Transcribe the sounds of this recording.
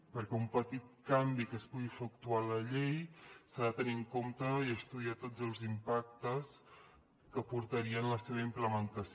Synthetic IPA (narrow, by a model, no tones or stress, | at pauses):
pəɾkɛumpət̪it̪̚kambikəspuɣifukt̪ualəʎejsaðət̪əniəŋkomt̪əiəst̪uðiat̪od͡zəlˠzimpak̚t̪əs | kəpuɾt̪əɾiənləseβ̞əimpləmənt̪əs